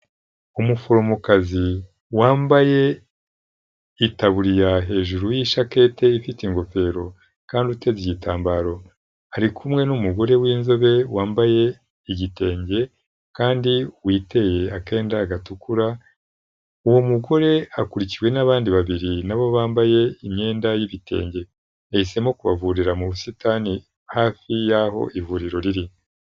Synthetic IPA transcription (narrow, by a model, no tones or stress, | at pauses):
umufoɾomokazi | waːmbaje̞ | itaβuɾijaɦe̞ːʒuɾujiʃake̞te̞ifitiŋɡo̞fe̞ɾo̞ | kaːndiute̞ziɟitaːmbaːɾo̞ | aɾikʰumŋe̞numuɡo̞ɾe̞wiːnzo̞βe̞waːmbaje̞ | iɟite̞ːɲɟe̞ | kaːndiwiːte̞je̞ake̞ːndaːɡatukuɾa | uwo̞muɡo̞ɾe̞akuɾiciɾwe̞naβaːndiβaβiɾinaβo̞βaːmbaje̞imɲe̞ːndajiβite̞̰ːɲɟe̞ | ehise̞mo̞kuβa̰vuɾiɾamuβusitaːni | haːfijaɦo̞̰ʔivuɾiɾo̞ɾiɾi